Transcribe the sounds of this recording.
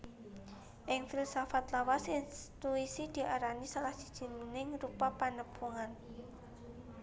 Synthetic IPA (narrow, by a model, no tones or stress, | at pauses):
ʔɪŋfilsafat̪lawasɪnt̪uisid̪̥i̤ʔaɾanisalahsi̥d̥ʒ̥i̤mnɪŋɾupapanəb̥ʰuŋan